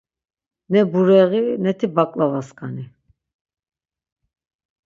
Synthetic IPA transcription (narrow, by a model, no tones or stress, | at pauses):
nɛbuɾɛɣinɛt̪ʰibakʼlavaskʰʼani